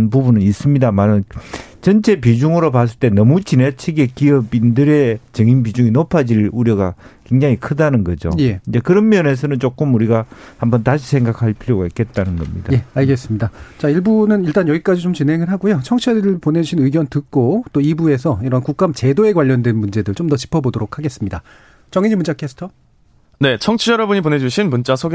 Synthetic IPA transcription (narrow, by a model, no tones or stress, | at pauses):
npubunɯnis͈ɯmɲidamanɯnt͡ɕʌnt͡ɕʰe̞pid͡ʑuŋɯɾopas̬͈ɯɭt͈e̞nʌmut͡ɕinet͡ɕʰiɡekiʌbindɯɾet͡ɕɯŋinbid͡ʑuŋinopʰad͡ʑiɭuɾjʌɡa̰ke̞ŋd͡ʑaŋikʰɯdanɯnɡʌd͡ʑo̰jeind͡ʑe̞kɯɾʌnmjʌne̞s̬ʰʌnɯnt͡ɕ͈ok͈ɯmuɾiɡahambʌntaɕʰi̥sʰe̞ŋɡakʰaɭpʰiɾjoɡaik͈ʰe̞t̚t͈anɯnɡʌ̰mɲḭdaeaɭɡe̞s͈ɯmɲidat͡ɕaiɭbunɯniɭt͈anjʌɡik͈ad͡ʑit͡ɕomt͡ɕinɦe̞ŋɯɭɦaɡujot͡ɕʰʌŋt͡ɕʰedɯɾɯɭpone̞d͡ʑuɕʰinɯiɡjʌntɯk͈ot͈oibue̞sʰʌiɾʌnkuk̚k͈amt͡ɕe̞doe̞ɡwaʎːʌndwenmund͡ʑe̞dɯɭt͡ɕomdʌt͡ɕi̥pʰʌbodoɾokʰaɡe̞s͈ɯmɲida | t͡ɕʌŋiɲimund͡ʑakʰesʰtʰʌ | ne̞t͡ɕʰʌŋt͡ɕʰijʌɾʌbuɲipone̞d͡ʑuɕʰinmunt͡ɕ͈asʰoɡ